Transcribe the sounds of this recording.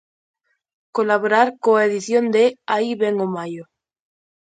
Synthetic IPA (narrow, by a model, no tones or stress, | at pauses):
kolaβoɾaɾkoaeðiθjond̪eaiβeŋomajo